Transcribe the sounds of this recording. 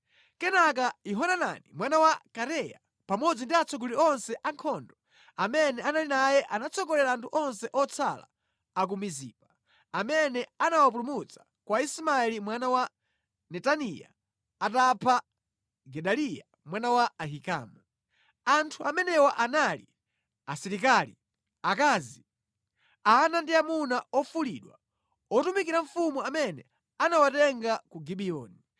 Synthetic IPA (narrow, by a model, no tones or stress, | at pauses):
kɛnak̬aiɦɔnana̰nimwanawakaɾɛja | pamɔd͡zindiat͡sʰɔɡuliɔnsɛʔaŋkʰɔndɔ | amɛnɛanalinajɛʔanat͡sʰɔkɔlɛɾaːntʰuʔɔnsɛʔɔt͡sʰala̰ | ak̬umizḭːpa | amɛnɛanawap̬ulumut͡sḁ | kwaisimaɛlimwanawa | nɛtanija̰ː | tapʰa | ɡɛɗalija̰ | mwanawaaɦika̰ːmu | antʰuamɛnɛwaʔanalḭ | asiɾik̬alḭ | akaːzi | aːnandiamunaɔfuliɗwa̰ | ɔtumikiɾaɱ̩fumuamɛnɛ̰ | anawatɛŋɡakuɡiɓiɔːni